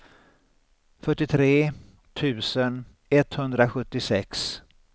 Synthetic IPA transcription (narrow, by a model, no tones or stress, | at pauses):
fœʈːɪt̪ʰɾeː | t̪ʰʉ̟ːsən | ɛt̪hɵnd̪ɾaɧɵt̪ːɪsɛks